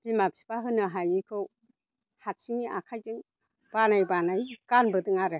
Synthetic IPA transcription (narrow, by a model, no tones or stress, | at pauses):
b̥imapsi̥baɦɯnɯɦajikʰɯw | hatsiŋiʔakʰajdɯŋ | b̥anajbanajkanbɯdɯŋaɾɯ